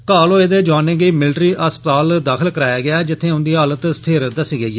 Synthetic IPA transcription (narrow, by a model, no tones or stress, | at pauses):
kaːlõːeːd̪eːd͡ʒaːnẽːɡeːmɪlʈɾiːʔəspət̪aːld̪aːkʰəlkəɾaːjaːɡɪaːd͡ʒɪt̪ʰːẽːʊnd̪iːɦaːlət̪sət̪ʰeːɾd̪əsiːɡəiːɛː